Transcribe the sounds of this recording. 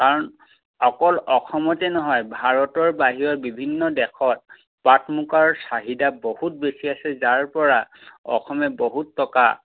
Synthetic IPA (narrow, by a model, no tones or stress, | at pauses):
kaɹɔn | ɔkɔlɔxʰɔmɔtɛnɔɦɔjbʱaɹɔtɔɹbaɦiɹɔɹbibʱinːɔdɛxʰɔt̚ | patmukaɹɔsaɦidabohut̚besiasɛzaɹpɔɹaɔ̰xʰɔmɛboɦutːɔka̰